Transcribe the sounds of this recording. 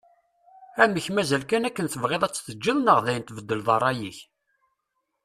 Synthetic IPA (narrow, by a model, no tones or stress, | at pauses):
æməçmæzælkænækːənθəvʁeðˤæt͡sːθəd͡ʒːiðˤnəʁðæjənt̪vəd̪ːəlðˤɑɾˤɑjiç